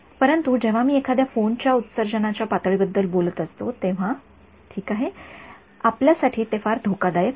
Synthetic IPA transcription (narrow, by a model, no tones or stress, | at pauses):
pəɾənt̪ud͡ʑeʋ̤amiːekʰad̪jafont͡ɕjaut̪səɾd͡ʑənat͡ɕjapat̪əɭibəd̪ːəlbolət̪əst̪ot̪eʋ̤a | ʈʰiːkaɦe | apljasaʈʰiːt̪efaɾd̪ʱokad̪aje